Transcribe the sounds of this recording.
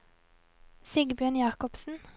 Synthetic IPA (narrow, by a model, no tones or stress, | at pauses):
sɪɡbjøːɳjɑːkɔpsn̩